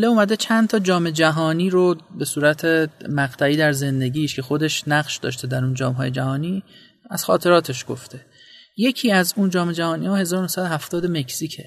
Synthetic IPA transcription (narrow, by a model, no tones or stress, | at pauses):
leumæd̪e̞t͡ʃʰænt̪ʰɒːd͡ʒɒːme̞d͡ʒæɦɒːniːɾobe̞suːɾæt̪ʰemæɣt̪ʰæiːd̪æɾze̞nd̪e̞ɟʲiːʃcʰe̞xo̞d̪e̞ʃnæɣʃd̪ɒ̰ːʃt̪e̞d̪æɾuːnd͡ʒɒːmɒ̰ːje̞d͡ʒæɦɒːniː | æz̥xɒːt̪ʰe̞ɾɒːt̪ʰe̞ʃɡ̥o̞̰ft̪ʰe̞ | je̞cʰiːæzund͡ʒɒːme̞d͡ʒæhɒːniːhɒːhe̞zɒːɾonohsæd̪oɦæft̪ɒːd̪eme̞cʰsicʰe̞̰